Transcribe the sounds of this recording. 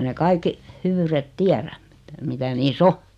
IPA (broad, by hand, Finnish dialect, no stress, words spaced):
ne kɑikːi hyʋyːret tiæræm m̥i̥tæ̥ mitæ niːsː o